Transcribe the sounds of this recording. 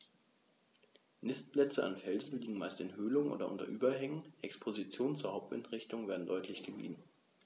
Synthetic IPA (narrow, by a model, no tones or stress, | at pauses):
nɪst̚plɛt͡səa̰nfɛlzn̩liːɡŋ̩maɪstɪnhøːlʊŋənʔo̰ːdɐʔʊ̰ntɐ̰ʔyːbɐhɛŋənʔɛkspʰozit͡sjoːnənt͡suːɐhaʊp̚tvɛ̰ntʁɪçtʊŋveːɐdn̩dɔʏtʰlɪçɡ̥əvḭːdn̩